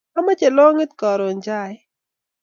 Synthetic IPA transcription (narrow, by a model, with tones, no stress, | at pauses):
a˦ma˦t͡ʃe˨lɔ˦ŋɪ˦t̪̚kɔ˨ɾɔ˨nd͡ʒa˦j